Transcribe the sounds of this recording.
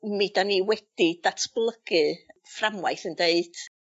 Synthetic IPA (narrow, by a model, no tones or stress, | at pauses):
mid̥aniwɛd̥id̥atʰb̥lˠəɡ̥ɨframwajθəndeɨd̥